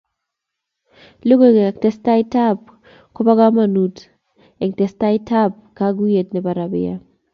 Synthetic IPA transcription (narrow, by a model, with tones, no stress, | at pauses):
lo˦ɡo˦ɡktɛ˦sta˦ɪ˦ta˦p | kɔ˦pa˦ɡa˦ma˨nu˨t | ɛ˨ŋtɛ˨sta˦ɪ˦tʰa˦p̚kaɡu˦je˨t̚nɛ˨ba˨ɾa˨bɪ̰˦ja̰˦